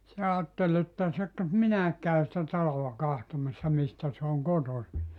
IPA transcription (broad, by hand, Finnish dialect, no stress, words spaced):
se ɑːtːel etːæ se k minæek kæy sĭtæ tɑlolːɑ kɑhtomɑsːɑ mistæ se oŋ kotosi